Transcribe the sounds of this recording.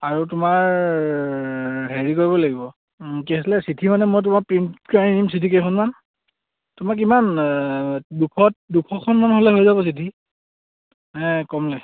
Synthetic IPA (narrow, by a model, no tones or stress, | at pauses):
aɹutʊmaɹ | ɦeɹikoɹibɔlaɡibɔ | kiasilɛsitʰimanɛmojt̬ʊmakpɹintkaɹinimsitʰikejkʰɔnman | tʊmak̬iman | dukʰɔt̚dukʰɔkʰɔnmanɦolɛɦojzabɔs̬itʰi | ɛ̃kɔmlɛ